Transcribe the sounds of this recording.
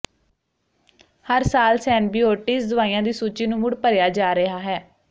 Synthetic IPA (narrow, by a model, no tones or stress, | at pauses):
həɾsaːlsɛːnbiːoːʈiːsd̪ʊʋaːiːjãːd̪iːsuːt͡ʃiːnũːmʊɽpəɾjaːd͡ʒaːɾəɦaːɦɛː